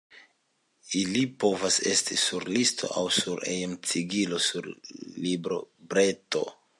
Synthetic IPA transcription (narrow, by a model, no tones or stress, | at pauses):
ilipo̞vase̞̰stisuɾlistʰo̞̰ʔa̰wsuɾḛjemt͡siɡilo̞suɾlibɾo̞bɾe̞to̞̰